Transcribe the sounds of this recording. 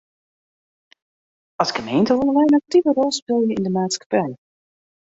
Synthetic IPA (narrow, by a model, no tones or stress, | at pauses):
ɑlˠsχəmejntəʋɪlənʋɛjənɑk̚tivərɔlˠspɪːlənɪndəmaːtsχɑ̥pɛj